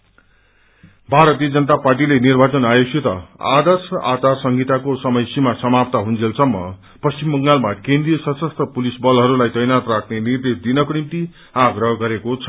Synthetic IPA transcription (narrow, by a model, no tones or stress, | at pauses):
bʱaɾʌt̪ijʌd͡zʌnʌt̪aparʈ̬ilenirbʱat͡sʌnajosit̪ʌ̰a̰d̪ʌrsʌʔat͡sarsʌŋɡʱit̪akosʌmʌjsimasʌmap̚t̪aɦund͡zʱelsʌmːʌ̰ | pʌst͡simbʌŋɡalmakẽnd̪rijʌsʌsʌst̪ʰʌpulisbʌlɦʌɾulajt̪ʌjnat̪rakʰnenird̪esd̪inʌkonimt̪i | aɡɾʌɦʌɡʌɾekot͡sʰʌ̥